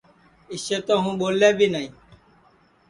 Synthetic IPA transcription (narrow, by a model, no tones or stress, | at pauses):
ɪseːt̪õːɦũːɓoːleːbiːnaĩː